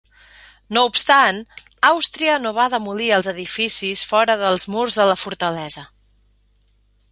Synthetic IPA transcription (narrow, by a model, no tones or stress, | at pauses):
noupst̪an | awst̪ɾiənoβ̞aðəmuliəlˠzəðifisisfɔɾəðəlˠzmurzðələfuɾt̪əlɛzə